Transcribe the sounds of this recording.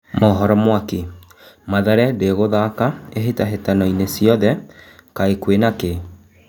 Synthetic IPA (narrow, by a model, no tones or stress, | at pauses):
mɔɦɔɾɔmwake | maðɛɾɛdeɣoðaːkaeɦetaɦetanɔinesijɔðɛkaekwenake